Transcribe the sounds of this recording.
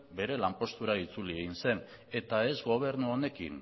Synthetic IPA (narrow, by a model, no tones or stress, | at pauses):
be̞ɾe̞lampo̞st̪uɾait͡sulieɣinse̞n | e̞t̪ae̞zɣo̞β̞e̞ɾnuone̞kḭn